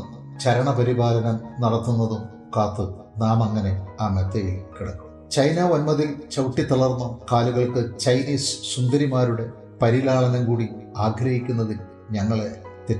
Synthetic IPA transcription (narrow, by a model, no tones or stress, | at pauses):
t͡ɕɐɾɐɳɐpɐɾibaːlɐnɐmnɐɽɐt̪ːunːɐðum | kaːt̪ːɨ | naːmɐŋːɐne̞aːmet̪ːɐjilkiɽɐkːu̥m | t͡ɕɐjnɐonmɐðilt͡ɕɐwʈːit̪ːɐɭɐrnːukaːluɣɐɭkɨt͡ɕɐjniːssund̪ɐɾimaːɾuɽe̞ | pɐɾilaːɭɐnɐmkuːɽiaːɡʱɾɐhikʲːunːɐðin | ɲɐŋːɐɭe̞t̪e